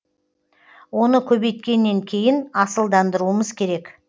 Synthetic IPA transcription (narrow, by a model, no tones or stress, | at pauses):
wo̞nəkʲʰɵbe̞jt̪kʲe̞nːe̞ŋkʲʰe̞jɪnɑsəlˠd̪ɑnd̪əɾuəməzkʲʰe̞ɾe̞k